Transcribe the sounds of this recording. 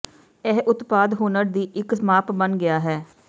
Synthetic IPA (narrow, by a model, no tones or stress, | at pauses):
ɛɦʔʊt̪paːd̪ɦuːnəɾd̪iːʔɪksmaːpbənɡɪaːɦɛː